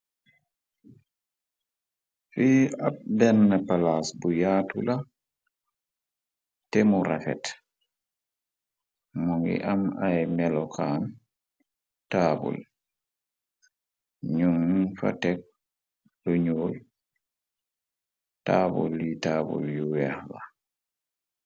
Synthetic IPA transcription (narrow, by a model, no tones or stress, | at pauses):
fiːabɛnːapalasbujaːtula | tɛmuɾafɛ̰t | muŋɡḭʔamajmɛlɔkʰan | taːbṵl | ɲuŋfa̰tɛk̚ | luɲoːl | taːbṵljitaːbṵljuwɛhla